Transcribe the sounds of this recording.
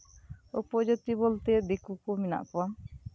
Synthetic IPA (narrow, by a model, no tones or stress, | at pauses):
upɔd͡ʒot̪ibolt̪ed̪ekukomina̰ʔkɔbam